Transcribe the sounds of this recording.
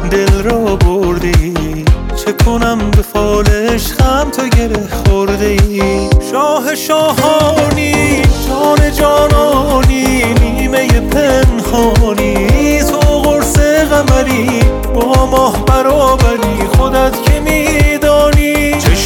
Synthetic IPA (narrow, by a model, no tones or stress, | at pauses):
d̪e̞lɾɔːboɾd̪eit͡ʃʰekʰonæmbefɒːleʃxæmt̪ʰoɟe̞ɾehxoɾd̪eiʃɔːɦe̞ʃɒːɦɒːniːʃɔːne̞d͡ʒɒːnɒːniːniːme̞jepʰenhɒːniːt̪ʰoɣoɾseɣæmæɾi | bɔːmɔːhbæɾɔːbæɾiːxod̪æt̪kʰemiːd̪ɒːniːt͡ʃʰe